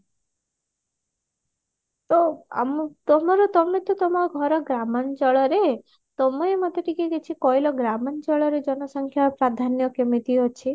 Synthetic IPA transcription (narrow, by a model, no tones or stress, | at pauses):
t̪ɔa̰mt̪ɔmɔɾɔt̪ɔmet̪ɔt̪ɔmɔɔɡʱɔɾɔɡɾamɔnd͡ʒɔɭɔɾe | t̪ɔmɔemɔt̪eʈikeɡet͡ʃʰikɔjlɔɡɾamɔnd͡ʒɔɭɔɾed͡ʒɔnɔsɔŋkʰjapɾad̪ʱanjɔkemit̪iɦɔt͡ʃʰi